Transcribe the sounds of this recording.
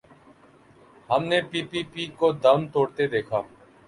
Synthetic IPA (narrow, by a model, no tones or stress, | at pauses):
ɦəmneːpiːpiːpiːkoːd̪əmt̪oːɽt̪eːd̪eːkʰaː